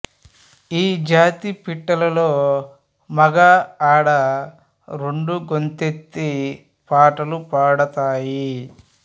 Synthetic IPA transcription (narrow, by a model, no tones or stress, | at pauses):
iːd͡ʒaːt̪ipiʈːɐlɐlo̞ː | mɐɡaːaːɽɐ | ɾeɳɖuɡo̞nt̪et̪ːi | paːʈɐlupaːɽɐt̪aːji